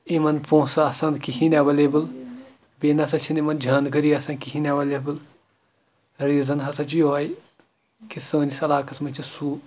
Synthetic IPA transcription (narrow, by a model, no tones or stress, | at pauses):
imɐnpõːsaːsɐ̃nkihinʲaʋɐlebɨl | beːnɐsɐt͡ʃʰinimɐnd͡ʒʱaːnɡɐɾiɐsɐ̃nkiɦinʲaʋɐlʲebɨl | ɾiːzɐnɦɐsɐt͡ʃijoɐj | kisɐʋɐnisɐlaːkɐsmɐnt͡ʃʰisuː